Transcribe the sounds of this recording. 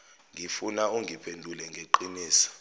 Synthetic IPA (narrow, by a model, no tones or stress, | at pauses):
ŋʱifunauŋɡʱipʰendʱulɛŋɡʱeǃiniːsḁ